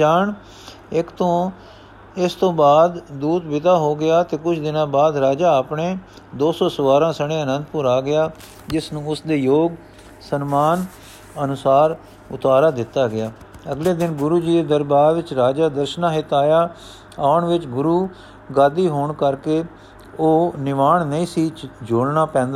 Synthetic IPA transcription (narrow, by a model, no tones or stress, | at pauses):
d͡ʒaːɳ | ɪkt̪õː | ɪst̪õːbaːd̪d̪uːt̪bɪt̪aːɦoːɡɪjaːt̪eːkʊt͡ʃʰd̪ɪnãːbaːd̪ɾaːd͡ʒaːəpɳeː | d̪oːsɔːsəʋaːɾãːsəɽ̃ẽːənə̃nd̪pʊɾaːɡɪjaː | d͡ʒɪsnũːʊsd̪eːjoːɡ | sənmaːn | ənʊsaːɾ | ʊt̪aːɾaːd̪ɪt̪ːaːɡɪjaː | əɡleːd̪ɪnɡʊɾuːd͡ʒiːeːd̪əɾbaːɾʋɪt͡ʃɾaːd͡ʒaːd̪əɾʃənãːɦɪt̪aːjaː | aːʊɳʋɪt͡ʃɡʊɾuː | ɡaːd̪iːɦoːɳkəɾkeː | oːnɪʋaːɳnəĩːsiːt͡ʃd͡ʒoːlnaːpɛ̃ːnd̪a